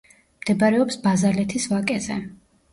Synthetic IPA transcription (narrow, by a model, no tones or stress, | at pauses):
md̪̥ɛbaɾɛɔpsbazalɛt̪ʰisvakʼɛzɛ̰